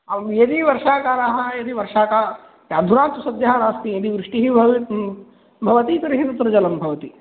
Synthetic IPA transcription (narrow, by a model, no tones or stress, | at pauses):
ɐjɐd̪iʋɐɾʂaːkaːɾaɦɐjɐd̪iʋɐɾʂaːkaː | jaːd̪ʱuɾaːnt̪usɐd̪jɐɦɐnaːst̪ijɐd̪iʋɾɪʂʈiɦibɐ | bʱɐʋɐt̪ik̪ɐɾiɦit̪ɐt̪ːɾɐd͡ʒɐlɐmbʱɐʋɐt̪i